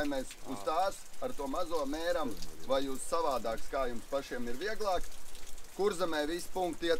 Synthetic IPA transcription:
jmɛːsust̪aːsaɾt̪uɔmazuɔmɛːɾamvajussaʋaːd̪aːkskaːjumspaʃiɛmiɾʋiɛɡlˠɑːkkuɾzamɛjʋispuŋkt̪iɛt̪

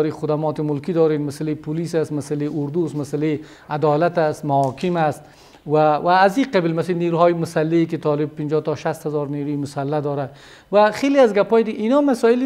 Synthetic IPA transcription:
ɾixʊd̪amɔːt̪ɪmʊlkid̪ɔːɾenmasalepʰʊlisast̪masaleʔʊɾd̪usmasale | ad̪ɔːlat̪ast̪mahɔkʰɪmast̪̚ | wawaːziqablmasniɾuɦɔːjɪmʊsalːekɪt̪ɔːlɪb̚pɪnd͡ʒɔːt̪ɔʃast̪hazɔɾniɾujimʊsalːad̪ɔːɾa | waxeliazɡapɔːjd̪ɪɡinɔmasɔːɪl

